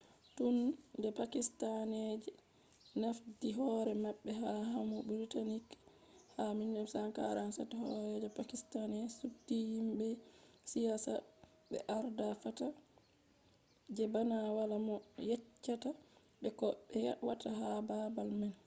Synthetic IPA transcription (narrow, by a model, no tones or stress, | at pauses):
tundɛpakistaned͡ʒɛ | nafdiɦɔɾɛmaɓːɛɦaɦamubiɾitanik | hamindɛmsaŋka̰ɾansatahɔɾɛd͡ʒɛpakistanɛsudːijimbɛsijasa̰ | ɓɛ̰ʔaɾdafata | d͡ʒɛbanawalamɔjɛt͡ʃːata | bɛkɔɓɛwataɦababalmɛn